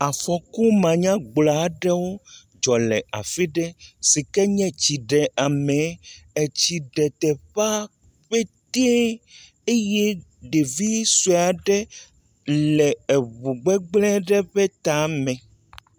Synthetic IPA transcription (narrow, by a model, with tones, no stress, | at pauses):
a˨fɔ˨ku˦mã˨ɲã˦ɡ͡bla˨˦ɖɛ˦wo˦ | d͡ʒɔ˨lɛ˨a̰˨fi˦ɖɛ˦si˨kɛ˦ɲɛ̃˦t͡ɕi˨ɖɛ˨ʔa˨mɛ̃˨e˨t͡ɕi˨ɖɛ˨t̪ɛ˨ɸa˦ | ɸe˦t̪e˦ | e˦jɛ˦ɖe˨vi˦su˨a˨ɖɛ˦ | lɛ˨e˨βu˨ɡ͡bɛ˦ɡ͡blɛ̃˦ɖɛ˦ɸɛ˦t̪a˨mɛ̃˨